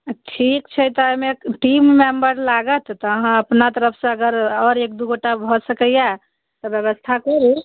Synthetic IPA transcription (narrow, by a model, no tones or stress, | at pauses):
ʈʰikt͡ʃʰət̪ɔəjmeʈimːembəɾlaɡət̪ːɔəɦãəpnat̪əɾəpʰsẽəɡəɾɔːɾek̚d̪uɡoʈabʱɔsəkəja | t̪ɔbjebəst̪ʰakoi